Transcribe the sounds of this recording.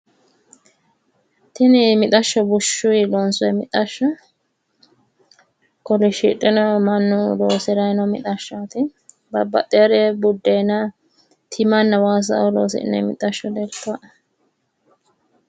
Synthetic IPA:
t̪ɪnɪmɪt̪ʼɐʃːɔbʊʃːʊjlɔnsʊɛmɪt̪ʼɐʃːɔ | kɔlɪʃɪ̰tʼːɛnɔmɐnːʊloːsɛɾɐjnɔmɪt̪ʼɐʃːat̪ɪ | bɐbːɐt̪ʼːɛɾɛbʊd̪ːɛjnɐ | t̪ʰɪmɐnːɐwaːs̬ɐ̰ʔʊlo̰ːsɪ̰ʔɪ̰nːɛ̰mɪ̰t̪ʼɐʃːɔd̪ɛɾt̪ːaʔ

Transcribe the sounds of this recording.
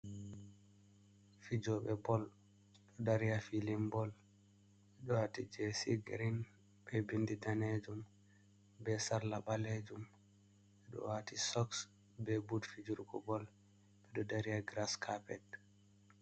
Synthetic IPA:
fid͡ʒɔɓɛbɔl | ɗɔdaɾijafilimbɔl | ɓɛɗɔwatid͡ʒɛsiɡɾin | bɛbindidaned͡ʒum | bɛsaɾlaɓaled͡ʒum | ɓɛɗɔ̰watisɔks | bɛbudfid͡ʒuɾɡɔ̰bɔl | ɓɛɗɔdaɾijaɡɾaskʰapɛd

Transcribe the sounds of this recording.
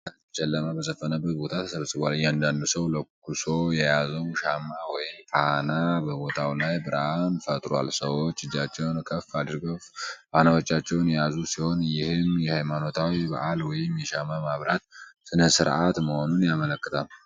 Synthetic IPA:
ant͡ʃɛlːəməbəzəfənəbːət̪̚bo̞t̪ʰat̪ʰə̥səβsʼɨβʷaljɛand̪and̪usəwləkʰuso̞jɛjazəwʃamːawɔjɪmfanabəbo̞t̪ʰawlajbɨɾanfət̪ʼɾwa̰lsəwot͡ʃːɨd͡ʒːat͡ʃːɛwnkʰəfːad̪ɨɾɡəffanawot͡ʃːat͡ʃːɛwnjɛjazusiho̞njɪhɨmjɛhajmano̞t̪ʰawiba̰ʔalwɔjɪmjɛʃamamaβɾat̪sɨnəsɨɾʔat̪məho̞nunjamələkːɨt̪ʰal

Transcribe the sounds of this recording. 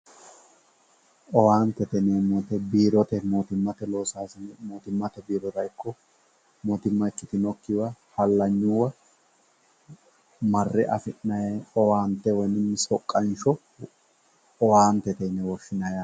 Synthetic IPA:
ɔwaːnt̪ːɛt̪ɛnɛmɔt̪ɛbiːɾɔt̪ɛmoːt̪ɪmːɐt̪ɛlo̞ːsaːsɪnmoːt̪ɪmːɐt̪ɛbiːɾɔt̪ɐjkːɔ | mot̪ɪmːɐkːɪt̪ɪnɔkːɪwɐhɐlːɐɲːʊwɐ | mɐrːɛʔɐfɪnːɐjeɔwaːnt̪ːɛwɔjnɪnːɪsɔkʼːɐnʃɔ | ɔwaːnt̪ɛt̪ɛnɛwɔʃːɪnɐja

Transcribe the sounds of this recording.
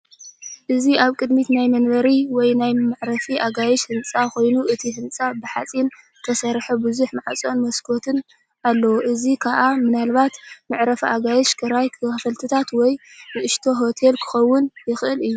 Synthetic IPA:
ʔɨziaβkʼɨd̪mit̪najmɐnbɐɾiwɔjnajmaʕɾɐfiʔaɡajɛʃhɨnt͡sʼako̞jnuʔɨt̪ʰiɦɨnt͡sʼabɨħat͡sʼin | t̪ʰɐsɐɾħubɨzuħmaʕat͡sʼo̞nmɐskʰo̞t̪ʰɨn | alːɐwoʔɨzikʰaʔamɨnalβat̪maʕɾɐfʔaɡajɛʃkʰɨɾajkʰɨɐfɐlt̪ʰɨt̪ʰat̪wɔjnɨʔɨʃt̪ʰo̞ɦo̞t̪ʰe̞lkʰɨ̥xɐwːʊnjɪxʔɨlɨjːu

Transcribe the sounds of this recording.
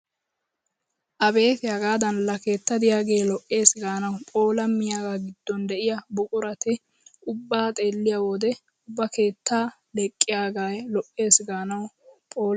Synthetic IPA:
ʔɐbe̞ːt̪ɪjaːɡaːd̪ɐnlːɐke̞ːt̪ːɐd̪ɪjaːɡe̞ːlɔʔːe̞ːsɪɡaːnɐwʊpʼo̞ːlɐmːɪjaːɡaːɡɪd̪̥ːɔnd̪ɛʔɪjɐbʊkʼʊɾɐt̪ɪ | ʔʊbːaːt̪ʼe̞ːlːɪjawɔd̪ɛ | ʊbːɐke̞ːt̪ːaː | lɛkʼːɪjaːɡaːjlɔʔːe̞ːsɪɡaːnɐwʊ | pʼoːl

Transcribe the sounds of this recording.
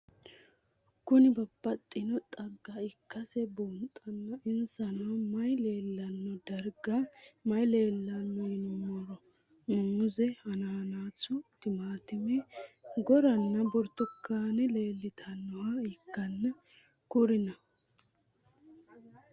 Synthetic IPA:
kʊnɪbɐbːɐt̪ʼːɪnɔt̪ʼɐɡːaɪkːɐsɛbuːnt̪ʼːɐnːɐʔɪnsɐnɐwmɐjle̞ːlːɐnːɔd̪ɐɾɡɐmɐjleːlːɐnːɔjɪnmɔɾɔ | nʊmʊzɛhɐnɐhɐnaːt͡sːʊt̪ɪmaːt̪ɪmɛɡɔɾɐnːɐbɔɾt̪ːɔkːaːnɛleːlːɪt̪ʰɐnːɔhɐɪkːɐnːɐ | kʊɾɪnɐ

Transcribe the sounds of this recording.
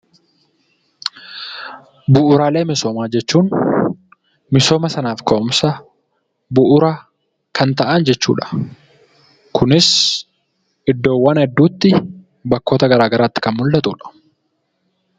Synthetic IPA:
bʊʔʊɾaːle̞ːmɪso̞ːmaːd͡ʒɛt͡ʃːuːn | mɪso̞ːmɐsɐnaːfkɐʔʊmsɐ | bʊʔʊɾaː | kʰɐnt̪ɐʔand͡ʒɛt͡ʃːṵːᶑɐ̥ | kʊnɪs | ɪd̪ːo̞ːwːɐnɛd̪ːuːt̪ːɪ | bɐkːo̞ːt̪ɐɡɐɾaːɡɐɾaːt̪ːɪ̥kɐnmʊlːɐt̪ʼṵːᶑɐ̥

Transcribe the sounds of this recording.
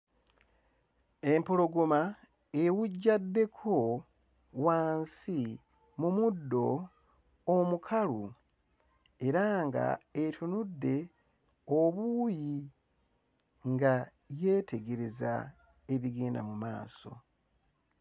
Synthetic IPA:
e̞mpo̞lo̞ɡoma | ewuɟːadːe̞kʰo̞ | waːnsi | mumudːo̞ː | mukʰalu | e̞ɾaŋɡa̰etʰunudːe̞ | oβuji | ŋɡa | je̞te̞ɡe̞ɾe̞za̰ | e̞βiɡeːnda̰muma̰ːso̞̰

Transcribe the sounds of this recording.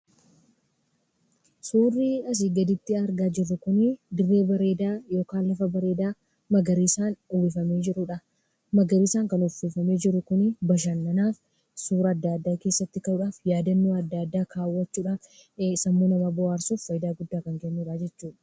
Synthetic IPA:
suːrːiːɐs̬iːɡɐd̪ɪt̪ːɪɐɾɡaːd͡ʒɪrːʊkʊnɪd̪ɪrːe̞ːbɐɾe̞ːd̪aːjo̞ːkaːnlɐfɐbɐɾe̞ːd̪aː | mɐɡɐɾiːsaːnbɪfɐme̞ːd͡ʒɪɾʊᶑɐ | mɐɡɐɾiːsaːŋkɐnʊfifɐme̞ːd͡ʒɪɾːʊkʊnɪbɐʃ̬ɐnːɐnaːf | suːɾɐːd̪ːaːd̪ːaːke̞ːsːɐt̪ːɪkɐʔʊᶑaːfjaːd̪ɐnːuːɐd̪ːad̪ːaːkʰaːwːɐt͡ʃːuːᶑaːf | sɐmːoːnɐmɐbɔaːɾsufːɐjd̪aːɡʊd̪ːaːkɐŋkɛnːuːᶑaːd͡ʒɛt͡ʃːuːᶑɐ̥

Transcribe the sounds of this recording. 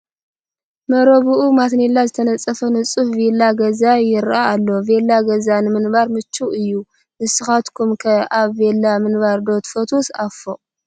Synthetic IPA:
mɐɾɐβuʔumat̪nelːazɨt̪ʰɐnɐt͡sʼːɐfɐnɨt͡sʼufvelːaɡɐzajɪɾʔaːlːo̞velːaɡɐzanɨmɨnbaɾmɨt͡ʃːuɨjːu | nɨsɨxat̪kʰumkʰɐaβvelːamɨnβaɾd̪o̞t̪fɐt̪ʰusafo

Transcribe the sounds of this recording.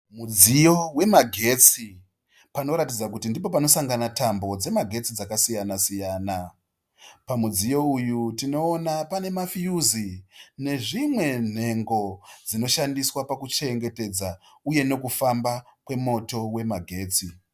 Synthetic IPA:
mud͡zijo̞we̞maɡʱe̞t͡si | pano̞ɾatid͡zak̬utindipo̞pano̞saŋɡanatambo̞d͡ze̞maɡʱe̞t͡sid͡zakasijanasijaːna | pamud͡zijo̞ujutino̞ːnapane̞mafijuzine̞ʐimwe̞n̤e̞ŋɡo̞d͡zino̞ʃandiswapakut͡ʃe̞ŋɡe̞te̞d͡za | uje̞no̞kufambakwe̞mo̞to̞we̞maɡʱe̞ːt͡si

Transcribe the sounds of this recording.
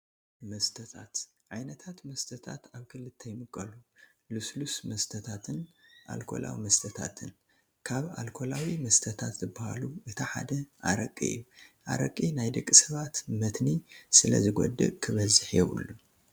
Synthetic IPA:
mɐst̪ʰɐt̪ʰat̪ | ʕajnɐt̪ʰat̪mɐst̪ʰɐt̪ʰa̰t̪aβkʰɨlːɨt̪ʰːɐjmɨkʼːɐlu | luslusmɐst̪ʰɐt̪ʰat̪ʰɨnʔa̰lkʰo̞̰lʔa̰wḭmɐst̪ʰɐt̪ʰa̰t̪ʰɨn | kʰaβa̰lkʰo̞lawimɐst̪ʰɐt̪ʰat̪zɨbaha̰luʔɨt̪ʰiħa̰d̪ɐʔaɾɐkʼːḭɨ̰jːuʔa̰ɾɐ̰kʼːinajd̪ɨkʼːisɐβat̪mɐt̪nisɨlɐ̰zɨɡɔ̰d̪ɨ̰kʰɨβɐzɨħjɛwṵlːu

